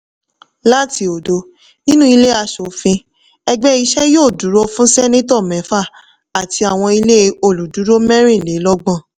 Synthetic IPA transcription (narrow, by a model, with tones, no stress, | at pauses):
la˦ti˧o˨do˨˦ | nĩ˦nũ˦i˧le˦a˧ʃo˨fĩ˧ | ɛ˧ɡ͡bɛ˦i˧ʃɛ˦joː˦˨du˨˦ɾo˦fũ˦sɛ˦nẽ˦t̬ɔ˦˨mɛ̃˨˦fa˦˨ | a˨tʰi˧a˨w̃ɔ̃˧i˧le˦˧o˨lu˨du˨˦ɾo˦mɛ̃˦ɾ̃ĩ˦˨le˨˦lɔ˦ɡ͡bɔ̃˦˨